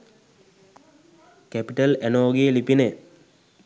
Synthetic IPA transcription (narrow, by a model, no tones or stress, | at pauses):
kæpiʈɐlænoːɡelipine